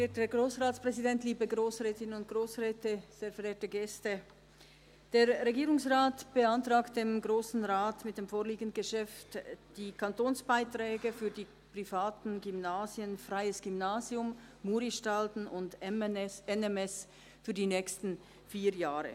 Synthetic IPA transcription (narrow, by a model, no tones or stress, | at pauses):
eːtəɡʁoːsʁaːtt͡spʁ̥ɛzidɛntliːbəɡʁoːsʁɛːtɪnənʊnt̚ɡ̥ʁoːsʁɛːtəz̥eːfɛɾeːɐtəɡɛstə | d̥eːʁʁeɡiːʁʊŋsʁaːtb̥əantʁ̥aːkt̚d̥eːmɡʁoːsn̩ʁaːtmɪt̚d̥eːmfoːɐliːɡən̩dɡ̥əʃɛftd̥iːkʰantoːnsb̥aɪtʁ̥ɛːɡəfyːɐdiː | pʁ̥ifaːtn̩ɡymnaːzjənfʁaɪəsɡ̥ymnaːzjʊmː | uːɾiʃtaltn̩ʊnd | ɛnɛmɛs | fyːɐdiːnɛːkstn̩ | fiːjaːʁə̰